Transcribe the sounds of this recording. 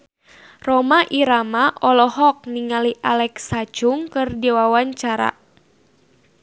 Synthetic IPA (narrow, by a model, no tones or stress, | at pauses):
rɔmaʔiɾamaʔɔlɔɦɔk̚niŋaliʔalɛksad͡ʒʊŋkɨrdiwawaɲt͡ʃaɾa̰